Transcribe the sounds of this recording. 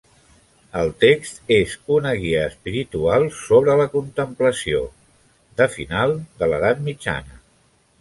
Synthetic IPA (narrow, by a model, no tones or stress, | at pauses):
əlˠt̪ekst̪ezunəɣiəːspiɾit̪ualˠsoβ̞ɾələkunt̪əmpləsio̰ | d̪əfḭnalˠd̪ələðat̪̚mid͡ʒa̰nə